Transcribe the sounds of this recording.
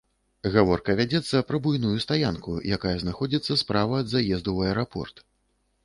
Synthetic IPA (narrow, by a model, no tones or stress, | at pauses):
ɣavɔrkɐvʲad͡zʲɛt̪sːɐpɾɐbujnujust̪ajankujakajɐznaxɔd͡zʲit̪sːɐspɾavɐːd̪zajɛzd̪uwɐɛɾapɔ̰rt̪